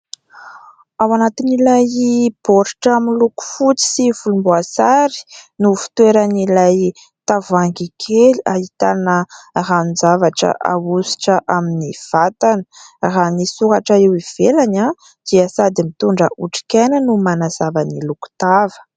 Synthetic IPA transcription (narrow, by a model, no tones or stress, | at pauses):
awanat̪inilajib̥oɾiʈ͡ʂaminluku̥fut͡si̥siv̥ulumbuasaɾi̥nufi̥t̪weɾanilaj | t̪avaŋɡikʰeliaɦit̪anəranizavaʈ͡ʂə̰ʔa̰wusi̥ʈ͡ʂəʔaminiv̥at̪anə̥ranisuɦaʈ͡ʂəewiv̥elaɲa | d̪̥iəsad̪imit̪uɳɖ͡ʐəʔuʈ͡ʂi̥kanənumanaz̥avaniluku̥t̪avə̥